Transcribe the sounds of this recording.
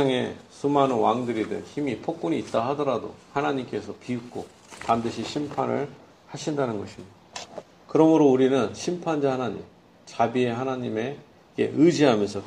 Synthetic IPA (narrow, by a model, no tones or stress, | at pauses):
aŋe̞̰sʰumanowaŋdɯɾidɯnçimipʰok̚k͈uɲiːt̚t͈ahadʌɾado̰hanaɲimk͈e̞sʰʌpiukk͈ʰo | pandɯɕʰiɕʰimpʰanɯ̰ɭ | haɕʰindanɯnɡʌɕʰimɲidd̥a | kɯɾʌmɯɾouɾinɯnɕʰimpʰand͡ʑahanaɲḭm | t͡ɕabie̞hanaɲime̞ | ɡe̞̰ʔɯd͡ʑiɦamjʌnsʰʌ